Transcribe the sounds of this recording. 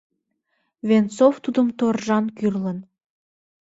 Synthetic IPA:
vent͡soft̪ud̪əmt̪orʒɑnkyrlən

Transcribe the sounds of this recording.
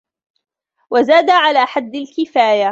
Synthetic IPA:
wazaːd̪aʕalaːħad̪ːalkɪfaːja

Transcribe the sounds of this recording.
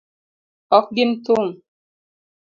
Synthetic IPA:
ɔk̚ɡimtuŋ

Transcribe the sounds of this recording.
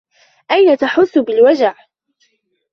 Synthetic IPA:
ʔajnat̪aħʊθːʊbɪlwad͡ʒaʕ

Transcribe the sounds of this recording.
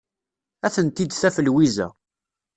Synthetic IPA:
æθənt̪id̪θæfəlwizæ̰

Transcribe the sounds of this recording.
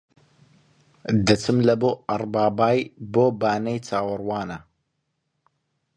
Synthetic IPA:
d̪ɐt͡sɨmlɐboːɐrˤbaːbaːjboːbaːnejt͡sʰaːwɨrwaːnɐ

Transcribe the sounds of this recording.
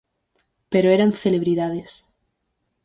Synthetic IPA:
peɾoeɾanθele̞βɾiðaðes

